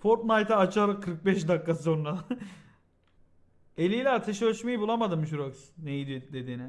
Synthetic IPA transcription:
foɾt̪majt̪ʰaːt͡ʃʰalkʰɯɾk̚bɛʃd̪akːasonɾa | e̞lʲijlʲɛat̪ʰaʃɯøʃmejibulˠamad̪ɯmʃ̬uɾoksnejid̪id̪e̞d̪iːnɪ

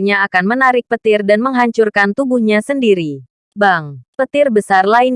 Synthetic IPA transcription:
ɲaːkanmənaɾɪk̚pət̪ɪrdanməŋɦaɲt͡ʃurkant̪ubuhɲasəndiɾi | baŋpət̪ɪrbəsarlaɪn

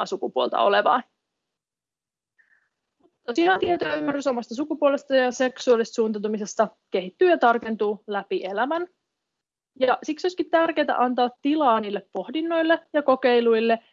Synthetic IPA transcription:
sukupuolt̪ɑ̰oleʋɑ̰ː | mut̪ːosiɑːnt̪iet̪oymːæɾryso̞mɑst̪ɑs̬ukupuole̞st̪ɑjɑse̞ksuɑlist̪suːnt̪ɑt̪umisest̪ɑke̞ɦit̪ːyːjɑt̪ɑrke̞nt̪uːlæpiʔe̞læmæn | jɑsiksoskit̪t̪ærk̟e̞ːt̪æ̰ʔɑnt̪ɑːt̪ːilɑːniːlːeppo̞hdinːo̞jlːe̞jɑko̞ke̞jlujlːe̞

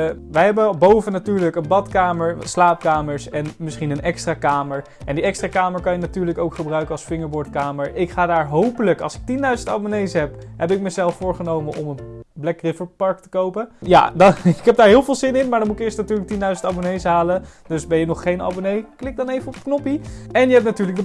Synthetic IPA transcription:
ʋəjɦɛbəbowvənatyːɹləkənbɑtkaːməɹslaːp̚kaːməɹsɛnmɪsχinənʔɛkstraːkaːməɹ | ʔɛndiɛkstraːkaːməɹkɑnjənatyːɹləkowkχəbrœɥkənɑlˠsfɪŋəɹbʊɹtkaːməɹɪkχaːdaːɹɦowpələkɑ̰lˠsɪ̥k̚tindœɥzənta̰bonejsɦɛpɦɛbɪk̚məzɛlˠfʊːɹχənowmənʔɔmənblɛkrɪfəɹpɑɹk̚tə̥kowpəja̰dɪkɦɛp̚daːɹɦɪːlˠvɪːlˠzɪnɪnmaːdɑnmutɪkɪːɹstnatyːɹlək̚tindœɥzəntabonejsɦaːləd̥ɵsbɛjənɔχːejnɑ̰bonejklɪk̚dɑnejvəɔpknɔpiɛnjəɦɛp̚natyːɹləkdə

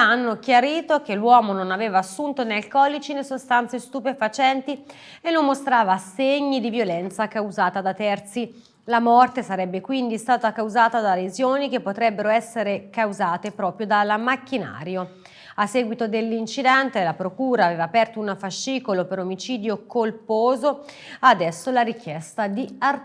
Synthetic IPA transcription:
anːokjaɾiːt̪okelːwɔːmononaveːvaːsːunt̪onealkɔlit͡ʃinesost̪ant̪sest̪upefat͡ʃɛnt̪i | enːomːost̪ɾaːvaseɲːid̪ivjolɛnt̪sakawzaːt̪ad̪at̪ɛrt̪si | lamɔrt̪esaɾɛbːekwind̪ist̪aːt̪akawzaːt̪ad̪alezjoːnikepːot̪ɾɛbːeɾoɛsːeɾekawzaːt̪epɾɔːpɾjod̪alamakːina̰ːɾjo | asːɛːɡwit̪od̪elːint͡ʃid̪ɛnt̪elapɾokuːɾaːvɛːvaːpɛrt̪ounafaʃːiːkolopeɾomit͡ʃiːd̪jokolpoːzo | ad̪ɛsːolaɾik̟jɛst̪ad̪iar

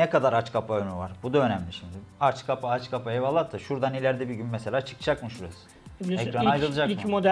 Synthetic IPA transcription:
nɛkad̪aɾat͡ʃkʰapʰaønyvaɾbud̪aønɛmlʲiʃimd̪iat͡ʃkʰapaat͡ʃkʰapʰaɛvalˠːat̪ʰːɯʃuɾd̪anilʲæɾd̪ɛbiɟynmeselʲaːt͡ʃʰɯ̥kʰɯ̥d͡ʒakmɯʃuɾasɯ̥ | ɛkɾanajɾɯlˠɯd͡ʒakmmod̪

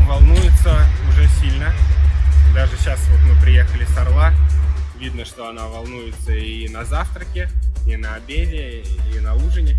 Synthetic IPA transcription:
vɐlˠnujɪt̪səʊʐɛsʲilʲnə | d̪aʐɨɕasvot̪mɨpɾʲɪjexəlʲɪsɐrlˠavʲid̪̚nəʂt̪o̞ɐnavɐlˠnujɪt̪səinɐzaft̪ɾəkʲɪɪnəɐbʲevʲɪinɐuʐɨnʲɪ

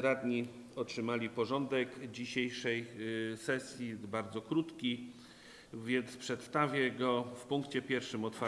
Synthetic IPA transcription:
ɾad̪ɲi | ɔtʂɘmalʲipɔʐɔnd̪ɛkd͡ʑiɕejʂɛjsɛsʲjibaɾd̪zɔkɾut̪kʲi | vʲjɛnt̪spʂɛt̪st̪avʲjɛɡɔfpuŋkt͡ɕɛpʲjɛɾfʂɘmɔt̪faɾ

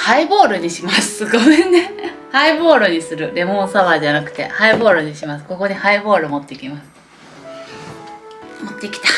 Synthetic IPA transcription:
haibo̞ːɾɯɲ̟iɕimasɨ̥sɨɡoene | haibo̞ːɾɯ̟ɲ̟isɨɾɯ̟ɾe̞mõ̞saβaːd͡ʑanakɯ̟̥t̪e̞̰haibo̞ːɾɯ̟ɲ̟iɕimasɨ̥ko̞ko̞ɲ̟ihaibo̞ːɾɯmo̞t̪ːe̞ikʲimasɨ̥ | mot̪ːe̞kʲi̥t̪ḁ

